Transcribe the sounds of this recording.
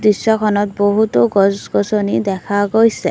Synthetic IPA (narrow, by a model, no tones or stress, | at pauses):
d̪isːɔkʰɔnɔt̪̚boɦut̪ɔɡɔsɡɔsɔnid̪ɛkʰaɡojse